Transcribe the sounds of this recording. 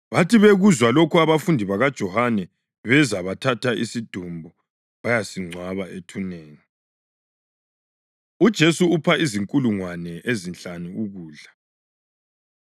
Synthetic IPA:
βatʰiβeɣuzwalokuaβafundʱiβaɣad̥ʒ̥ʱɔhanɛ | βɛzaβatʰatʰaʔisid̥ʱumbʱu | βajasiŋ͡ǀʱwaβaʔetʰuneːŋi | ud̥ʒ̥ʱesuupʰaiziŋkʼuluŋwanɛʔezint͡ɬaniuɣuːɮa

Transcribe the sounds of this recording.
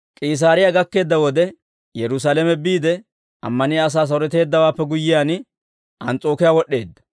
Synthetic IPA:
kʼiːs̬aːɾɪjaɡɐkːe̞ːd̪ːɐwɔd̪ɛ | jɛɾʊs̬aːlɛmɛbiːd̪ɛ | ʔɐ̰mːɐnɪɐs̬aːs̬ɐwɾɛt̪e̞ːd̪ːɐwaːpːɛɡʊjːɪjaːn | ʔɐnt͡sʼo̞ːkɪjaːwɔɗːe̞ːd̪ːɐ̥

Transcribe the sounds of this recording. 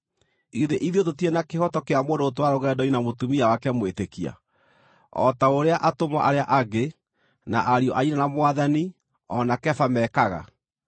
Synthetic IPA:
iðeʔiðiot̬otienakehɔtɔkeamoːndoːtowaɾoɣɛdɔinamotumiawakɛmwetekia̰ | ɔ̰taoɾeaʔatomaʔaɾeaʔaɡe | na̰ʔaɾiɔʔainanamoaðani | ɔnakɛfamɛkaɣa̰

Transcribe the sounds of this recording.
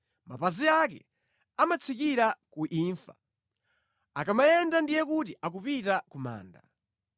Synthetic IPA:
mapaziak̬ɛ̰ | amat͡sʰikiɾakuʔiːɱfa | akamajɛndandijɛkut̬iak̬upitakuma̰ːnda

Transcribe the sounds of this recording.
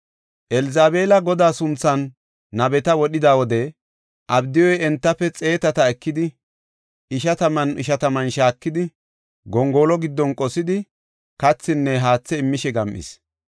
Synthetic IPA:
ʔɛlɪzaːbeːlɐɡɔd̪aːsʊnt͡sːɐnː | ɐbɛt̪ɐwɔɗɪd̪aːwɔd̪ɛ | ʔɐbd̪ɪjɔjɛnt̪ːɐpːɛt͡sʼe̞ːt̪ɐt̪ɐɛkːɪd̪ɪ | ʔɪʃɐt̪ɐmɐnɪʃɐt̪ɐmɐnʃaːkːɪd̪ɪ | ɡɔŋɡo̞ːlɔɡɪd̪ːɔnkʼɔsɪd̪ɪ | kɐt͡sːɪnːɛɦaːt͡sːɛɪmːɪʃɛɡɐmʔɪ̰s

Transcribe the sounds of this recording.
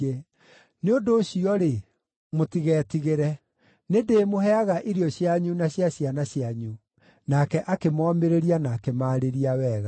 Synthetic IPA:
e | neondoɕiɔɾe | motiɣɛːtiɣeɾɛ | nedeːmoɦɛaɣaʔiɾiɔɕjaɲunaɕjaɕjanaɕjaɲu | nakɛʔakemɔːmeɾeɾianaːkemaːɾeɾiawɛːɣa

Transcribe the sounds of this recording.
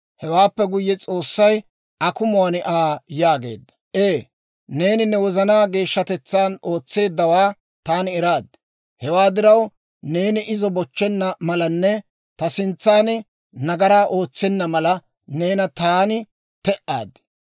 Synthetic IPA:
hɛwaːpːɛɡʊjːɛt͡sʼo̞ːsːɐj | ʔɐkʊmʊɐnɪʔaːjaːɡe̞̰ːd̪ːɐ̥ʔeː | ne̞ːnɪnɛwɔzɐnaːɡe̞ːʃːɐt̪ɛt͡sːaːnʔo̞ːt͡sːe̞ːd̪ːɐwaː | t̪aːnɪɛɾaːd̪ɪ | hɛwaːd̪ɪɾɐw | ne̞ːnɪʔɪzɔbɔt͡ʃːɛnːɐmɐlɐnːɛ | t̪ɐsɪnt͡sːaːnɪ | nɐɡɐɾaːʔo̞ːt͡sːɛnːɐmɐlɐ | ne̞ːnɐt̪aːnɪ | t̪ɛʔa̰ːd̪ːɪ̥

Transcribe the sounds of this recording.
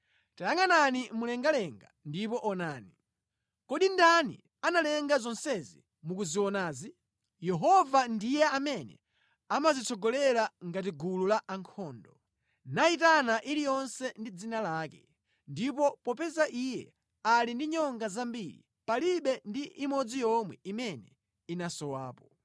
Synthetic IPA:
tajaŋɡananimulɛŋɡalɛŋɡa̰ndipɔʔɔnaːni | kɔɗindanḭ | analɛŋɡazɔnsɛzḭ | mukuziwɔnaːzi | jɛɦɔvandijɛamɛnɛ̰ | amazit͡sʰɔɡɔlɛlaŋɡat̬iɡululaʔaŋkʰɔːndɔ | naitanaʔilijɔnsɛndid͡zinalaːkɛ | ndip̬ɔpɔpɛzaʔijɛ | alindiɲɔŋɡazambiɾḭ | paliɓɛndiʔimɔd͡zijɔmwɛ̰imɛnɛ | inasɔwaːpɔ

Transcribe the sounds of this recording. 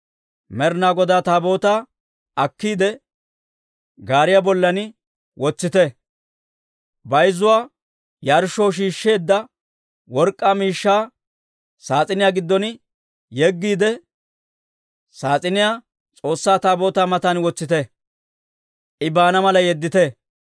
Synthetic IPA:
mɛɾnaːɡɔd̪aːt̪aːbo̞ːt̪aː | ɐkːiːd̪ɛ | ɡaːɾɪjabɔlːɐnɪ | wɔt͡sːɪt̪ɛ | bɐjzʊwaː | jaːɾʃːoːʃ̬iːʃːe̞ːd̪ːɐ | wɔɾkʼːaːmiːʃːaː | saːt͡sʼɪnɪjaːɡɪd̪ːɔn | jɛɡːiːd̪ɛ | saːt͡sʼɪnɪjaː | t͡sʼo̞ːsːaːt̪aːbo̞ːt̪aːmɐt̪ɐnwɔt͡sːɪt̪ɛ | ʔɪbaːnɐmɐlɐjɛd̪ːɪt̪ɛ

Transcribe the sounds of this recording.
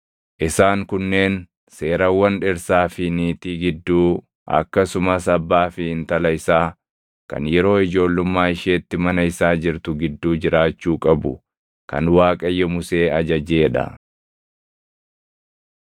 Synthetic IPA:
ʔɪsaːŋkʊnːe̞ːn | se̞ːɾɐwːɐnᶑɪɾsaːfɪniːt̪iɡɪd̪ːuː | ʔɐ̰kːɐsʊmɐsɐbːaːfɪhɪnt̪ɐlɐɪsaː | kɐ̰njɛɾo̞ːɪd͡ʒo̞ːlːʊmːaːɪʃeːt̪ːɪmɐnɐɪsaːd͡ʒɪɾt̪ʊɡɪd̪ːuːd͡ʒɪɾaːt͡ʃːuːkʼɐbʊ | kɐ̰nwaːkʼɐjːɛmʊse̞ːɐd͡ʒɐd͡ʒe̞ːᶑɐ̰

